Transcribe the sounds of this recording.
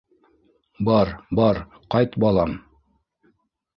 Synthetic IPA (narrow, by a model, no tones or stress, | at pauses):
bɑɾbɑɾ | qɑjt̪bɑlˠɑm